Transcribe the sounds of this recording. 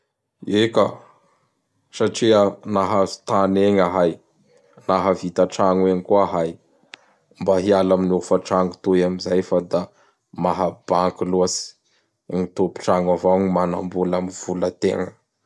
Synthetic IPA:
eka | saʈ͡ʂianaɦḁt̪aneɲaɦaj | naɦavit̪aʈ͡ʂaŋweɲikuaɦaj | mbaɦialaminofaʈ͡ʂaŋut̪oamizajfad̪a | maɦab̥aŋkiloasi̥ | ŋit̪opi̥ʈ͡ʂaŋavaɲimana̰mbulamiv̥ulət̪ḛŋə

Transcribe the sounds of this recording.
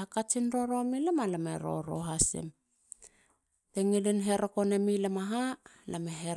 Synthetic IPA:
akat͡ʃinɾoɾo̞milemalamḛɾo̰ɾo̰ɦasḛm | teŋilinɦe̞ɾokonemilamaɦa | lameɦeɾ

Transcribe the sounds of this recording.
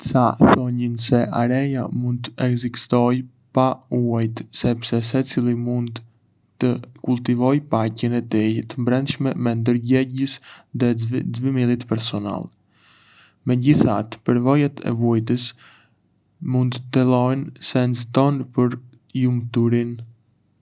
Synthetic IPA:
saθɔɲinsɛʔaɾɛja̰mund̪̚t̪ɛɡzist̪ɔj | pauajt̪sɛpsɛs̬ɛt͡silimund̪ | t̪əkult̪ivɔjpacənɛt̪ɛjt̪əmbɾɛnd̪ʃmɛmɛnd̪əɾɟɛɟəsðɛd͡zvimilit̪pɛɾsɔna̰lˠ | mɛɟiθat̪pəɾvɔjat̪ʰɛ̰vujt̪̬əs | mund̪t̪əlˠɔjnsɛnzət̪ɔnpəɾ | jumt̪uɾin

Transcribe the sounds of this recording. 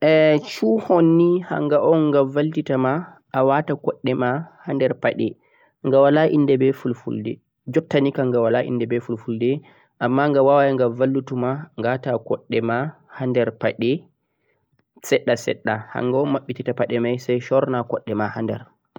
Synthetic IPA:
ʔɛt͡ʃuhonːiha̰ŋɡaʔɔnŋɡavaltitama | ʔːwatakɔɗːɛmahandɛɾpaɗɛ̰ | ŋɡawalaʔindɛbɛfulfṵldɛ | d͡ʒɔtːanikaŋɡawalaʔḭndɛbɛfulfuldɛ | ʔamːaŋɡawawajaŋɡavalːutumaŋɡatakɔɗːɛma | handɛɾpaɗɛ | sɛɗːasɛ̰ɗːaha̰ŋɡaɔnmaɓːititapaɗɛmajsajʃɔɾnakɔɗːɛmahandɛ̰ɾ

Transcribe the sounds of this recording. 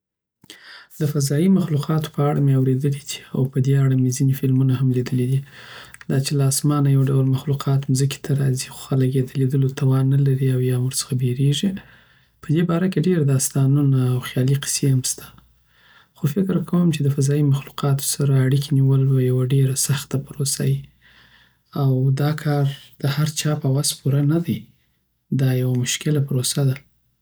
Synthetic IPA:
d̪əfazɑjimaxluqɑt̪o̥pəaɽa̰meawɾed̪əlid̪̥i̥a̰wpəd̪eaɽamezinefɪlmunahamlid̪əlid̪id̪̥ɑt͡ʃelaːsmɑnajawɖawlmaxluqʰɑt̪mzəki̥t̪ʰaɾɑzixo̥xalaɡed̪əled̪əlot̪ʰawɑnːalaɾiawjɑmuɾsə̥xabeɾeʐi | pəd̪ebɑɾakeɖeɾad̪ɑst̪ɑnunaːwxjɑliqɪ̥sehamst̪ʰḁ | xofɪkɾkʰawəmt͡ʃed̪əfazɑimaxluqɑt̪o̥saɾaːɽikʰeniwəlwejawaɖeɾasaxt̪apɾosa̰ji | awd̪ɑkʰɑɾd̪̥əhaɾt͡ʃɑpawazpuɾanad̪aj | d̪ɑjawamʊʃkɪlapɾosad̪a

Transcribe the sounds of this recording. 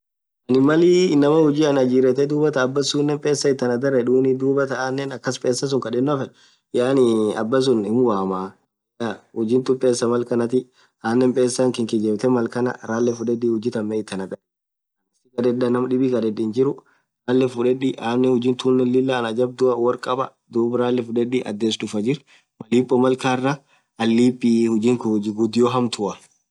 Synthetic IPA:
ʔɐnɪmɐliːɪnːɐmɐhʊd͡ʒiːɐnɐd͡ʒiːɾɛt̪ɛd̪uːbɐt̪ɐːbːɐsunːɛmpʼeːsːɐɪt̪ːɐnɐd̪ɐɾːɛᶑuːnid̪uːbɐt̪ɐaːnːɛnɐkːɐspʼeːsːɐs̬ʊŋkɐᶑɛnːɔfɛ | jaːnɪɐ̰bːɐs̬ʊnɪmwaːmaː | jaːhʊd͡ʒiːnt̪ʊpʼːeːsːɐmɐlkɐnɐt̪ɪ | aːnːɛmpʼeːsːaŋkɪŋkɪd͡ʒɛːbt̪ɛmɐlkɐnɐ̰ɾaːlːɛfʊᶑɛdːiːhʊd͡ʒːɪt̪ɐmːɛɪt̪ːɐnɐɡʼɐᶑ | ɐnɐsɪkɐd̪ɛdːɐnɐmɐᶑɪbikɐd̪ɛdɪnd͡ʒɪɾʊ | ɾaːlːɛfʊᶑɛᶑiʔaːnːɛhʊd͡ʒiːnt̪uːnːɛlːɪlːanɐd͡ʒɐb̚d̪ʊʔɐwɐɾkʼɐbɐ | d̪uːbɾaːlːɛfʊᶑɛᶑiʔɐ̰d̪ːeːsd̪ʊfɐd͡ʒɪɾ | mɐliːpʼːɔmɐlkaːrːɐ | ɐlːiːpʼːihʊd͡ʒiːŋkd͡ʒɡʊd̪ɪjɔɦɐmt̪ʰʊʔɐ

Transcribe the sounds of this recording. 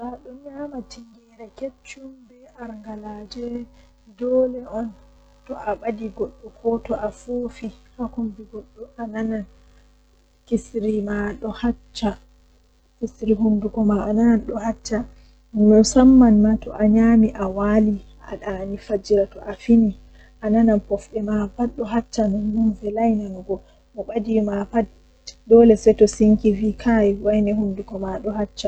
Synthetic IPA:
saɗɔɲamatiŋɡɛɾɛket͡ʃːumbɛʔaɾŋɡalaːd͡ʒɛ | dɔːlɛɔn | tɔʔaɓadiɡɔɗːɔkʰɔtɔʔafoːfihakumbiɡɔɗːɔʔananan | kisɾimaɗɔhat͡ʃːa | kisɾiɦundukɔmaʔanananɗɔhat͡ʃːa | nɔsamːanmatɔʔaɲamiʔawali | a̰ɗanifad͡ʒiɾatɔʔafini | ʔanananpɔfɗɛmapaɗɔɦat͡ʃːanɔnnunvɛlajnanɡɔ | mɔɓadimapa | dɔlɛsɛtɔsiŋkivikʰajiwajnɛhundukɔmaɗɔhat͡ʃːa

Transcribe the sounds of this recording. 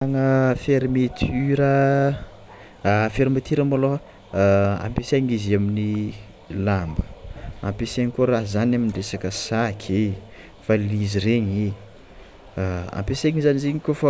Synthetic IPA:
aŋəfeɾmet̪ʰyɾə | feɾimet̪ʰiɾəmolo | a̰mpesaɲiziamini | lambə̥a̰mpeseɲikuɾaɦzanaminɳɖ͡ʐesakəsakʰe | faliziɾeɲi | a̰mpesaŋizaniziɲikʲofa

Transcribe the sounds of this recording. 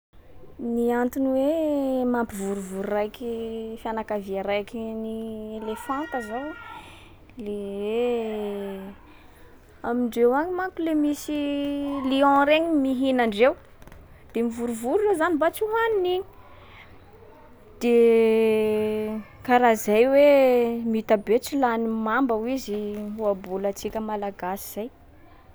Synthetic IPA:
niant̪inwemampivuɾuvuɾurajkifianakaviaɾajkinielefãnt̪əzaw | lewe | amiɳɖ͡ʐewaɲimakulemisiliɔ̃ɾeɲimiɦinaɳɖ͡ʐew | d̪̥emivuɾuvuɾurozanibat͡suɦanini | d̪̥e | kaɾazajwemit̪abet͡silanimambəwiziɦuabulət͡sikʲəmalaɡasiz̥aj

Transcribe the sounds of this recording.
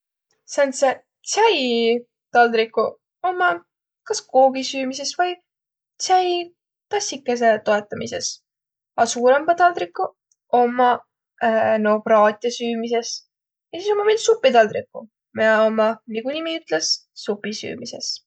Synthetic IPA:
sɑnse | t̪sæj | t̪ɑld̪ɾikːˑu | o̞mːɑ | kɑsko̞ːɡisyːmis̬e̞svɤj | t̪sæj | t̪ɑsikːˑes̬e̞t̪o̞e̞t̪ːˑɑmise̞̰s | ɑsuːɾe̞mbɑt̪ɑld̪ɾikːˑu | o̞mːɑ | no̞b̥rɑːt̪ʲˑiɑsyːmise̞s | jɑsiso̞mːɑminsupːˑit̪ɑld̪ɾikːṵ | meɑomːɑniɡ̥unimiyt̪lessupːisy̰ːmise̞̰s

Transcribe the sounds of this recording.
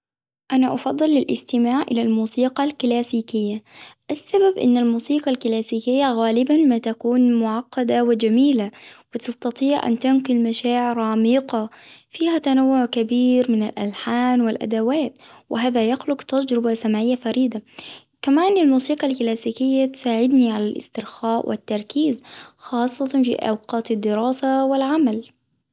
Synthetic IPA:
ʔanaʔɑfɑd̪ˤːɨlːɪlʔɪ̰st̪ɪmaːʕʔɪlalmuːsiːqɑlklaːsiːkɪjːaʔasːababʔɪ̰nːalmuːsiːqɑlklaːsiːkɪjːaɣaːlɪbanmaːt̪akuːnmʊʕɑqːɑd̪awɪd͡ʒamiːlawɪt̪ɑst̪ɑt̪ˤiːʕʔa̰nt̪ankʊlmaʃaːʕɪɾɑːmiːqɑfiːhat̪anawːʊʕkabiːɾmɪnalʔa̰lħaːnwɪlʔa̰d̪awaːt̪wɪɦaːðajaxlʊqt̪ad͡ʒɾɪbasamaʕɪjːafaɾiːd̪a | kamaːnɪlmuːsiːqɑlklaːsiːkɪjːat̪saːʕɪd̪niʕalalʔɪ̰st̪ɪɾxaːʔwʔɪ̰t̪ːɑɾˤkiːzxɑːsˤːɑt̪ɑnfḭʔa̰wqɑːt̪ad̪ːɪɾɑːsawɪlʕamal

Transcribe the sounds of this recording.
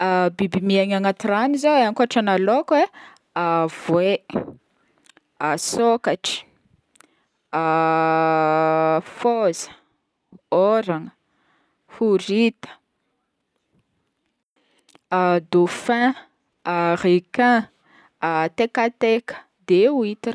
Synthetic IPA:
abibimiaŋaŋat̪iranizoeaŋkuaʈ͡ʂanalokwe | avwe | asokaʈ͡ʂə̥ | a | fozə̥ | oɾaŋə | huɾit̪ə̥ | ad̪ofɛ̃ | arekɛ̃ | at̪ekat̪ekə̥ | d̪euit̪i

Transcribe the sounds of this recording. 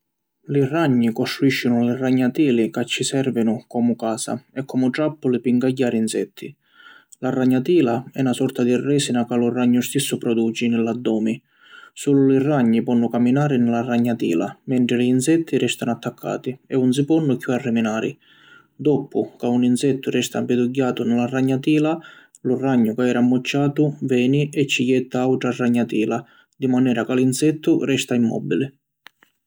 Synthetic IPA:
liraɲːikɔst̪ɾuiʃːʊnʊliraɲːat̪iːlikat͡ʃːisɛrvɪnʊkɔːmʊkaːsa̰ɛkʰːɔmʊʈɾapːʊlɪpiŋɡaɟːaːɾiinsɛ̰t̪ʰːi | larːaɲːat̪iːlaɛnasɔrt̪ad̪irːɛːsinakalʊrːaɲːʊst̪isːʊpɾɔd̪uːt͡ʃinɪlːad̪ːɔːmi | suːlʊlɪrːaɲːipɔnːʊkamːinaːɾɪnɪlarːaɲːat̪ḭːla̰mɛnt̪ɾɪlɪːnsɛt̪ʰːirɛst̪anʊat̪ːakʰːa̰ːt̪iɛuns̬ipɔnːʊkjuarːɪminaːɾɪ̰ | d̪ɔpːʊkauninsɛt̪ːʊrɛst̪a̰mpɪd̪uɟːaːt̪ʊnɪlaraɲːat̪iːla | lʊraɲːʊkaɛːɾamːʊt͡ʃːaːt̪ʊvɛːniʔɛt͡ʃːijɛt̪ːaawʈɾarːaɲːat̪iːla | d̪imanɛːɾakalinsɛt̪ʰːʊrɛst̪aimːɔ̰bːilɪ

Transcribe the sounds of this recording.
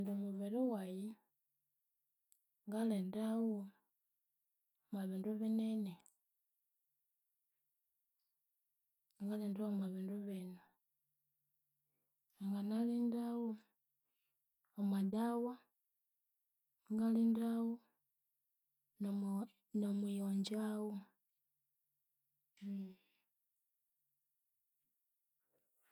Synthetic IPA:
ndomuβeɾiwaji | ŋɡalendawo | maβinduβinene | ŋɡalendaomaβinduβena | aŋɡanalindawo | amadawa | ŋɡalindawo | nomujoɲd͡ʒawo

